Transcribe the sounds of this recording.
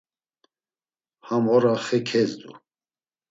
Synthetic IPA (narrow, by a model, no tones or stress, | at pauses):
hamɔɾaχɛkʰɛzd̪ṵ